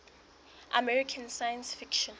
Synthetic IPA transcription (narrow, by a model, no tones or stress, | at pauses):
ʔa̰mɛɹikʰãnsajãnsfikʃɔ̃n